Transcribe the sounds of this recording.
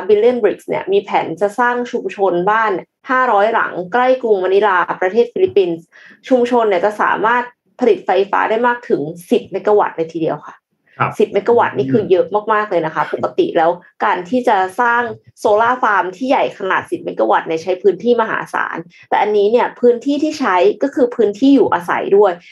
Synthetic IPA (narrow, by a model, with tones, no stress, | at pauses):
bi˧li˥ə˨nbɾi˨˩k̚snḭ˦˥˩əmiː˧pʰɛː˩˦nt͡ɕa˨˩saː˥˩ŋt͡ɕʰu˧mt͡ɕʰo˧nbaː˥˩n | haː˥˩ɾɔː˦˥jɾa̰˩˦ŋkɾa˥˩jklu˧ŋma˧ni˦˥laː˧pɾa˧t̪ʰeː˥˩t̪̚fi˧li˦˥pːi˧n | t͡ɕʰu˧mt͡ɕʰo˧nːi˧˩ɐt͡ɕa˨˩sa̰ː˩˦maː˥˩t̪̚ | pʰa˧li˨˩t̪̚fa˧jfa̰ː˦˥daː˥˩jmaː˥˩k̚t̪ʰɯ˩˦ŋsi˨˩t̪̚na˧jka˧wa̰˨˩t̪̚naː˧jt̪ʰiː˧di˧əwkʰa˥˩ʔ | si˨˩ma˦˥jka˧˩wa̰˨˩t̪̚niː˥˩kʰɯː˧jɤ˦˥ʔmaː˥˩k̚maː˥˩k̚lɤː˧jna˦˥kʰa˦˥po˨˩kːa˧t̪ḭ˨˩ʔlɛː˦˥wkaː˧nt̪ʰiː˥˩t͡ɕa˨˩saː˥˩ŋsoː˧laː˥˩faː˧mt̪ʰiː˥˩ja˨˩jkʰa˧naː˨˩t̪̚si˨˩t̪̚ma˧jka˧wa˨˩t̪̚na˧˩jt͡ɕʰa˦˥jpʰɯː˦˥nt̪ʰiː˥˩ma˧ɦa̰ː˩˦sa̰ː˩˦nt̪ɛː˨˩ʔa˧nːiː˦˥ni˥˩ɐpʰɯː˦˥nt̪ʰiː˥˩t̪ʰiː˥˩t͡ɕʰa˦˥jkɔː˥˩kʰɯː˧pʰɯː˦˥nt̪ʰiː˥˩juː˨˩ʔaː˧sa̰˩˦jdu˥˩əj